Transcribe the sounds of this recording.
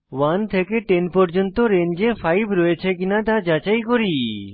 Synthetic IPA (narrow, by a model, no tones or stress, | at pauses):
want̪ʰekeʈenpɔɾd͡ʑont̪oɾend͡ʑefʰajbʱɾɔjet͡ɕʰek̬inat̪ad͡ʑat͡ɕajkoɾi